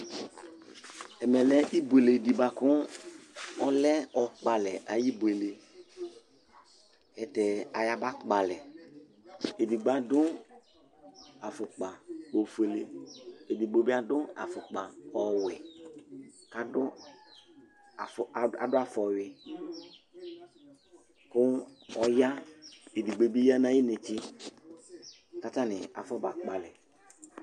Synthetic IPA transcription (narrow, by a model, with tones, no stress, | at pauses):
ɛ˨mɛ˨lɛ˦ʔi˦bu˨e˨le˨di˨ba˨kʊ˦ | ɔ˦lɛ˦ɔ˨k͡pa˨lɛ˨ʔa˨ji˦bwe˨le˨ | ɛ˨tɛ˨a˨ja˨ba˦kk͡pa˨lɛ˨ | e˨di˨ɡ͡ba˨˦dʊ˦ | a˨fʊ˨k͡pa˨o˨fu˨e˨le˦˨e˨di˨ɡ͡bo˨bi˦a˦dʊ˦a̰˨fʊ˨k͡pa˨ɔ˨wɪ˨ | ka˨˦dʊ˦˨ | a̰˨dʊ˦a˨fɔ˨ɥɪ˨ | kʊ˦ɔ˦ja˦e˨di˨ɡ͡be˨bi˦ja˦nã˦ji˦ne˨t͡ʃi˦ | ka˦ta˦nɪ˨a̰˨fɔ˦ba˨k͡pa˨lɪ˨